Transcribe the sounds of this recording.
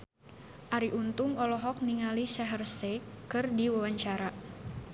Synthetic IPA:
ʔaɾiʔunt̪ʊŋɔlɔɦɔk̚niŋalisaɦərsekɨrdiwawaɲt͡ʃaɾa

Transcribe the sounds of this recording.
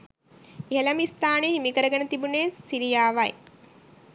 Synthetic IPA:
iɦelamist̪aːneɦimikəɾəɡənət̪ibuneːsiɾijaːʋaj

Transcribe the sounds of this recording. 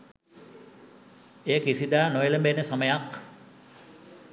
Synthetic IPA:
eːkisid̪aːnojeləmbenesaməjak

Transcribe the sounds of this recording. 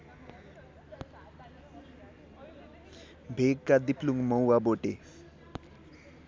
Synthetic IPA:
bʱeɡkad̪ipluŋɡmɔwwaboʈe

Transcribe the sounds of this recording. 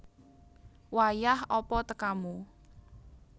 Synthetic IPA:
wajahɔpɔt̪əkamu

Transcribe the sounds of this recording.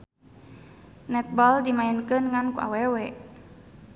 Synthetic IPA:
nɛt̪̚bɔldimaɛnkɨnŋankuʔa̰wɛwɛʔ

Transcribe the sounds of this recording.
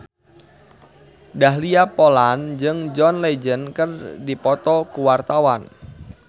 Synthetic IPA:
dahliapoland͡ʒɨŋd͡ʒɔnled͡ʒənkərdipɔt̪ɔkuwart̪awan

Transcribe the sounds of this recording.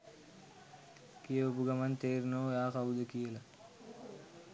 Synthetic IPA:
kijəopuɡamant̪eːɾunoːjaːkaud̪əkijəla

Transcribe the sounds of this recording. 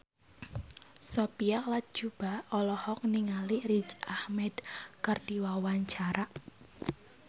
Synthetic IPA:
sopiaklat̪̚d͡ʒ̥ub̥aɔlɔhɔk̚niŋalirid͡ʒahmɛd̪̥kərd̥iwawaɲt͡ʃaɾaʔ

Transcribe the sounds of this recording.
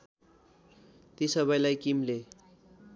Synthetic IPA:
t̪isʌbʌjlajkimle

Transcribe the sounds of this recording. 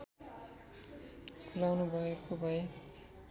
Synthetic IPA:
kʰulawnubʱʌekobʱʌe

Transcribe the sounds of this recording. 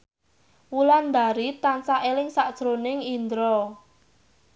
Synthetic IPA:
wuland̪aɾit̪ansaʔelɪŋsad̥ʒ̥ɾonɪŋind̪ɾɔ

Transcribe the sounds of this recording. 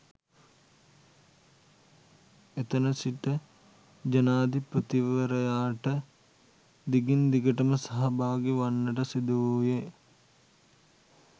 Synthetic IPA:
et̪ɐnɐsiʈə | d͡ʒɐnaːd̪ʱipɾət̪iʋəɾɐjaːʈə | d̪iɡind̪iɡəʈɐməsɐɦɐbaːɡiʋanːəʈəsid̪uuːje

